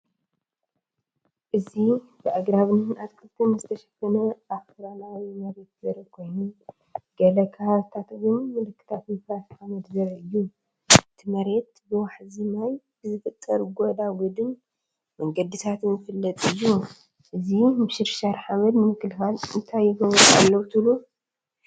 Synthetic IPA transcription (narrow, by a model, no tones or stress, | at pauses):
ʔɨzi | bɨʔaɡɾaβnɨnʔat̪kʰɨlt̪ʰɐnɨzɨt̪ʰɐʃɐfɐnɐʔafɨɾalawimɐɾe̞t̪̚zɐɾɐkʰo̞jnu | ɡɐlɐkʰaaβt̪ʰat̪ɨwʊnmɨlɨkːɨ̥t̪ʰat̪ifɾat̪ħamɐd̪zɐɾɐɨjːu | ɨt̪ʰimɐɾe̞t̪bɨwaħzimaj | b̥ɨzɨfɨt̪ʼːɐɾɡod̪aɡud̪ɨn | mɐŋɡɐd̪it̪ʰat̪nɨfɨlːɐt̪ʼɨjːu | ʔɨzimɨʃɪɾʃaɾħamɐd̪nɨmɨkːɨlxalɨnt̪ʰajːɪɡɐβɾua̰lːɐwt̪ʰɨlu